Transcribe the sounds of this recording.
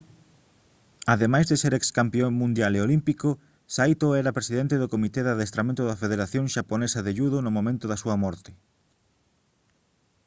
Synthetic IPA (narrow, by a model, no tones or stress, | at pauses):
aðemajzðeseɾɛkskampioŋmũnd̪jaleolimpiko | sajt̪oɛɾɐpɾesiðent̪eðʊkomit̪eðaðest̪ɾamẽnt̪ʊðɐfeðeɾaθjõŋʃaponesɐðeʎuðonʊmõmẽnt̪ʊðɐsuɐmɔɾt̪ɪ̥